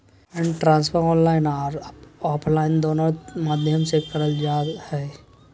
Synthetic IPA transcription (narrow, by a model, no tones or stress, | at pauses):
ɛ̃ɳɖʈɾãːnspʰəɾɔ̃ːnlaːɪnaɾɔːpʰlaːɪnd̪oːnomaːd̪ʱjəmsekɐɾəld͡ʒaːhɛː